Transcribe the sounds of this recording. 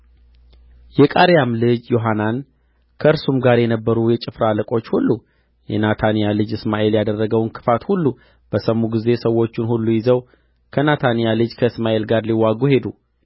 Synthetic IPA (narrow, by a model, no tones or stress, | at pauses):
jɛkʼaɾjamlɨd͡ʒjo̞ɦanan | kʰəʔɨɾsumɡaɾjɛnəbːəɾujɛt͡ʃʼɪfɾaləkʼo̞t͡ʃːhulːu | jɛ̰nat̪ʰanijalɨd͡ʒɨsmaʔe̞ljad̪ərːəɡəwnkʰɨ̥fat̪hulːu | b̥əsəmːuɡize̞səwːo̞t͡ʃːɪnhulːujɪzəw | kʰənat̪ʰanijalɨd͡ʒkʰəɨsmaʔe̞lɡaɾliwːaɡuhe̞d̪u